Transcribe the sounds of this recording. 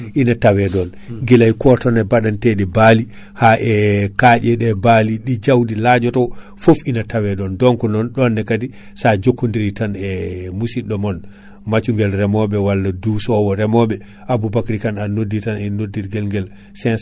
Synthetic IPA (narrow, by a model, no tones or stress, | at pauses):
ʔinatawɛdɔn | ɡilajkɔtɔnɛbaɗantɛɗɛbali | haʔɛkad͡ʒɛɗɛbaliɗid͡ʒawdilad͡ʒɔtɔ | fofinatawɛɗɔndɔŋkɔnɔnɗɔnːɛkati | sad͡ʒokːundiɾitanɛmusiɗɔmɔn | mat͡ʃuŋɡɛlɾɛmɔɓɛwalːadusɔwɔɾɛmɔbɛ | ʔabubakɾikananodːitanɛnodːiɾɡɛlŋɡɛl | sɛns